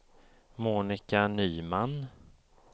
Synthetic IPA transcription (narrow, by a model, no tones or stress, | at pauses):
muːnɪkanyːman